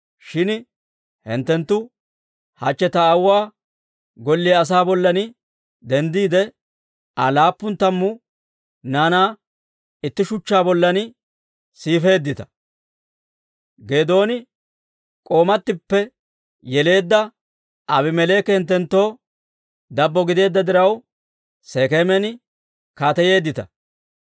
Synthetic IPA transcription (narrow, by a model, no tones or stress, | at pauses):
ʃɪn | hɪ̰nt̪ːɛnt̪ːʊ | hɐt͡ʃːɛt̪ɐːwwaː | ɡɔlːɪɐs̬aːbɔlːɐnɪ | d̪ɛnd̪iːd̪ɛ | ɐlaːpːʊnt̪ːɐmːʊ | naːnaː | ɪt̪ːɪʃʊt͡ʃːaːbɔlːɐnɪ | siːfe̞ːd̪ːɪt̪ɐ̥ | ɡe̞ːd̪o̞ːnɪ | kʼo̞ːmɐt̪ːɪpːɛ | jɛle̞ːd̪ːɐ | ɐβɪmɛle̞ːkːɛhɪnt̪ːɛnt̪ːo̞ː | d̪ɐbːɔɡɪd̪e̞ːd̪ːɐd̪ɪɾɐw | seːkemɛn | kaːt̪ɐje̞ːd̪ːɪt̪ɐ